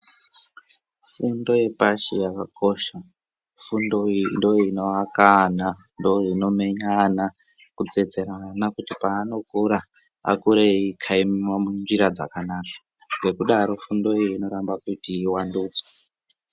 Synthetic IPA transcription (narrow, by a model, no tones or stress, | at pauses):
fundo̞je̞paʃijakako̞ʃa | fundondoinoakana | ndoino̞me̞ɲana | kut͡set͡se̞ɾanakutipaːno̞kuɾa | a̰kuɾeikʰaimmamunʐiɾad͡za̰kanaːkḁ | ŋɡe̞kuɗaɾo̞fundo̞iino̞ɾambakutiːwanduːt͡soḁ